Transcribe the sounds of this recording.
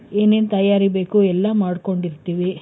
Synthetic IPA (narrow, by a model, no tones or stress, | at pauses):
eːneːnt̪ɐjaːɾibe̞ːkuɛlːɐmaːɽko̞ɳɖiɾt̪iːʋi